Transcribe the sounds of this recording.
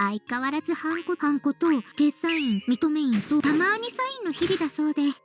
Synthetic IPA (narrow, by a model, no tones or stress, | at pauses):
aikaβaɾazɨhãŋko̞hãŋko̞t̪o̞kesãĩmʲit̪o̞me̞ĩnt̪o̞t̪amaɯɲ̟isaĩnːo̞çibʲid̪aso̞ːd̪e̞